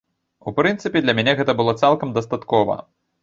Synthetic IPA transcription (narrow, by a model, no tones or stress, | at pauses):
upɾɨnt̪sɨpʲɛd̪lʲɐmʲænʲɛɣɛt̪ɐbɨlˠɔt̪salˠkɐmd̪ɐst̪at̪kɔvɐ̰